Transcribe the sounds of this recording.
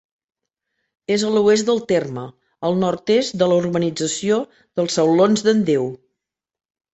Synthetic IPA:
ezəluezd̪əlˠt̪ermə | əlˠnɔrt̪esd̪ələurβənid͡zəsio | ð̥əlˠsəwlonzðənd̪ew

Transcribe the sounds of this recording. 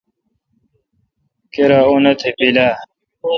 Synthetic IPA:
keɾaunɐt̪ʰepilaː

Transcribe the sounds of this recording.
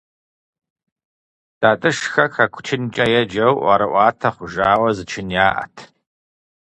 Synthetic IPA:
d̥aːtʼɨʂxɐkʰɐkʷʰt͡ʃʰɪnt͡ʃʼɐjɛd͡ʒɐwʔʷɐ̰ɾɨʔʷɑːtʰɐχʷʊʒaːwɐzɨt͡ʃʰɪnjaːʔɐ̰tʰ

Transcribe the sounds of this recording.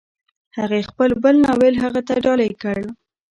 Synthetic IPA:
haɣexpəlbəlnɑwelɦaɣat̪aɖɑlajkəɽ

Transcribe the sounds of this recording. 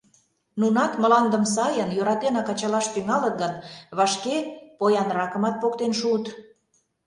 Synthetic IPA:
nunɑt̪mə̆lɑnd̪ə̆ms̬ɑjənjøɾɑt̪enɑkɑt͡ɕɑlɑʃp̪yŋɑlət̪ɡənβɑʃkepojɑnɾɑkə̆mɑt̪̚pokt̪enʃut̪

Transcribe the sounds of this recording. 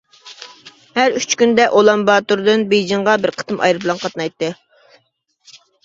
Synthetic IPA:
hæɾyt͡ʃkʲynd̪ɛʔolˠɑmbɑːt̪uɾd̪ɨnbejd͡ʒiŋʁɑbɪɾqʰə̥t̪ɨmɑ̰jɾɨblˠɑnqʰɑt̪nɑjt̪ːɨ

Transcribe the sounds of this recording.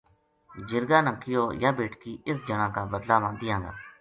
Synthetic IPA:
d͡ʒɪɾɡaːnəkʰːɪjoːjaːbeːʈkiːʔɪsd͡ʒəɳãːkaːbəd̪laːmãːnd̪ɪjãːŋɡa̰ː

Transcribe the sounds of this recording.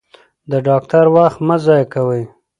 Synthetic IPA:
d̪əɖɑk̚ʈ̪aɾwaxt̪mazɑjakawəj

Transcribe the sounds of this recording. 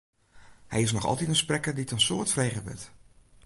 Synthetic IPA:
hɛjɪsnɔχɑ̰lˠtitənsprɛkərditənsʊːɹtfrejχəbɪ̰t

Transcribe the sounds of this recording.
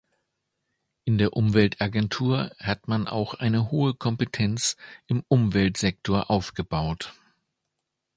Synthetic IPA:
ʔɪndeːɐʔʊmvɛltʔaɡɛntʰuːɐhatmanʔa̰ʊxʔaɪnəɦoːəkʰɔmpətʰɛnt͡sʔɪmʔʊmvɛltz̥ɛk̚tʰoːɐʔaʊfɡ̥əbaʊt

